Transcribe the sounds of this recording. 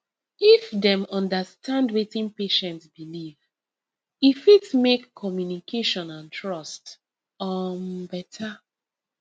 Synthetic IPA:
ifdɛ̃mɔ̃ndastʰãndwetĩnpeʃɛ̃ntsbiliv | ifitmekʰːɔmjunikʰeʃɔ̃nãntɹɔst | ɔmbɛtʰa

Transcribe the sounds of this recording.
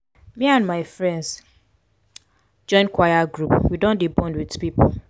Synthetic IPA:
mĩãnmaɪfɹɛ̃nds | d͡ʒɔ̃ɪ̃nkwajaɡɹupwidõndibɔ̃ndwidpipol

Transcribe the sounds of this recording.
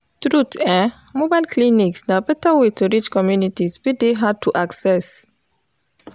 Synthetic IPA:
t̪ɾutɛmobajlkliniksnapɛtawituɾit͡ʃkɔmjunitisbideɦad̚tʰuʔaksɛs

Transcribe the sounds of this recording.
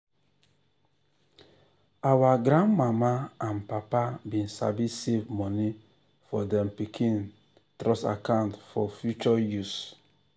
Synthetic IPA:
awaɡɾãnmamaanpapabĩnsa̰bisevmɔni | fɔdɛ̃mpikʰĩn | tɾɔsa̰kãʊ̃ntfɔfjut͡ʃɔjus

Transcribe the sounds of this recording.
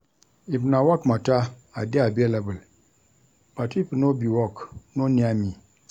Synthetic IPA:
ibnawakmataadeabelabəl | b̥atipənobiwɔknoniami

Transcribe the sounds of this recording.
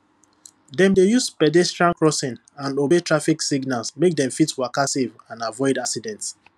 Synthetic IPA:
dɛ̃mdejuspɛdɛstɹãnkɹɔsĩn | ãnobetʰɹafiksiɡnalˠsmek̚dɛ̃ɱfitwakasevãnavɔɪdaksidɛ̃nts

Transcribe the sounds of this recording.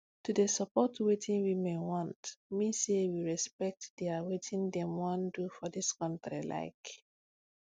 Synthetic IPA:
tudesəpɔtwetʰĩnwimewɔ̃ntmisewiɹɛspɛk̚td̥eawetʰĩndɛ̃mwɔ̃ndufɔdiskɔ̃ntɹḭla̰ɪk

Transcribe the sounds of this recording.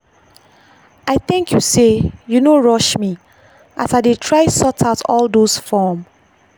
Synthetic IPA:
aɪθɪ̃ŋkʰjusejunoɹɔʃmi | ʔa̰saɪdetʰɹaɪsɔtʰaʊtʰɔldosfɔm

